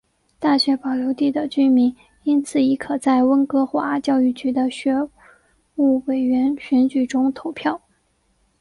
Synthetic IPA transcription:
t̪a˥˩ɕɥɛ˧˥pɑ˨˩ʊljo˧˥ʊt̪i˥˩d̪ə˩t͡ɕy˥mi˧˥ŋ | i˥nt͡sʰɹ̩˨˩i˧˥kʰɤ˨˩t͡sa˥˩ɪwə˥nkɤ˥xwa̰˧˥t͡ɕjɑ˥˧ʊy˥˩t͡ɕy˧˥d̪ə˨ɕɥɛ˧˥ | u˥˩we˨˩ɪɥɛ˧˥nɕɥɛ˧˥nt͡ɕy˨˩ʈ͡ʂʊ˥ŋt̪ʰo˧˥ʊpʰjɑ˥˩ʊ

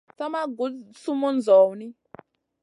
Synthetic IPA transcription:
sa˦ma˦ɡu˨˦su˦mu˦nd͡zʱɔː˨wni˦

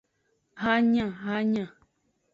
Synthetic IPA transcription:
ha˦ɲã˨ɦa˦ɲã˨

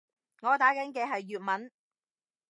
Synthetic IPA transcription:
ŋɔː˨˧t̪aː˨˥kɐ˨˥nkɛː˧ɦɐ˨jːyː˨t̚mɐ˨˥n

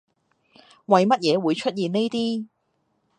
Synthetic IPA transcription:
wɐ˨jmɐ˥t̚jɛː˨˧wuː˨˧jt͡ʃʰɵ˥t̚jiː˨ne˥jt̪iː˥

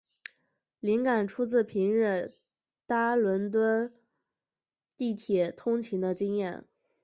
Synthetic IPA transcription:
li˧˥ŋka˨˩nʈ͡ʂʰu˥t͡sɹ̩˥˩pʰi˧˥nɻ̩˥˩ | t̪a˥lwə˧˥nt̪wə˥n | t̪i˥˩t̪ʰjɛ˨˩t̪ʰʊ˥ŋt͡ɕʰi˧˥ŋd̪ə˧t͡ɕi˥ŋjɛ˥˩n

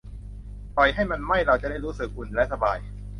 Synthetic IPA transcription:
pɔ˨˩jɦa˥˩jma˧nma˥˩jɾa˧wt͡ɕa˨˩da˥˩jɾuː˦˥sɯ˨˩k̚ʔu˨˩nlɛ˦˥sa˧baː˧j

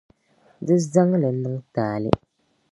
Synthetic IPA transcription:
dɨ˦za˦ŋ˦lɨ˨˦nɨ˦ŋtaː˨lɨ̰˦

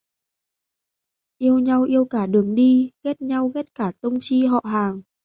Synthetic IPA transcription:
ʔi˧əwɲa˧wʔi˧əwkaː˧˩ɗɨ˨˩əŋɗi˧ɣɛ˦˥t̚ɲa˧wɣɛ˦˥t̚kaː˧˩t̪ə˧wŋ͡mt͡ɕi˧ɦɔ̰˧˨ɦaː˨˩ŋ

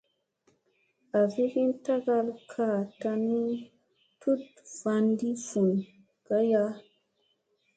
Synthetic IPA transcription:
a˨vi˦ki˦nta˦ɡa˧lkʰa˨ta˧ni˦ | tʰu˦t | v̥a˧ndi˦fu˨n | ka˦ja˦

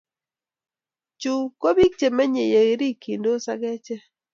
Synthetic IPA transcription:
t͡ʃu˨ko˦bi˦k̚t͡ʃe˨ma˦ɲe˨je˨ɣe˦ɾi˦ki˨ndo˦sa̰˦ɡɛ˦t͡ʃɛ˦

